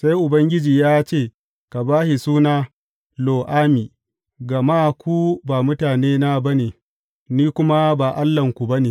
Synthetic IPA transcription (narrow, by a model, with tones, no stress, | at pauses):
sa˦jʔʊ˨bɐ˦ŋɡʲɪ˦d͡ʒiː˨jaː˦t͡ʃeː˦˨ | ka˨baː˦hi˨suː˦naː˦ | loː˨ʔaː˦miː˨ | ɡɐ˨maː˦˨kʷu˦baː˨mʊ˦taː˨neː˦na˦bɐ˦neː˨ | niː˦kʷʊ˦ma˦baː˨ʔa˦lːɐ˨ŋkʷu˨bɐ˦neː˨